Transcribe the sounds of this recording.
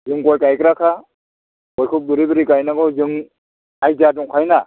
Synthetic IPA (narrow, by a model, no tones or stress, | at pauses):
zɯŋkɔjkajkɾakʰa | kɔjkʰuk̚duɾibɯɾikajnaɡɔzɯŋ | ajzaduŋkʰajna